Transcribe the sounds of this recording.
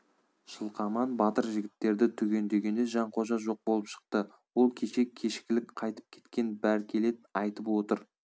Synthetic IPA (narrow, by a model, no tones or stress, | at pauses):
ʃəlˠqʰɑmɑnbɑt̪əɾʒɪɡʲɪt̪ːe̞ɾd̪ɪt̪ʰʏɡʲe̞nd̪e̞ɡʲe̞nd̪eʒɑɴqʰo̞ʒɑʒo̞q̚bolˠəpʃə̥qt̪ə | wo̞lˠkʲʰeʃe̞kʲʰe̞ʃɪ̥kʲɪlɪkqʰɑjt̪ə̥p̚kʲʰe̞̥t̪kʲe̞nbæɾkʲʰe̞le̞t̪ɑjt̪əpwo̞t̪əɾ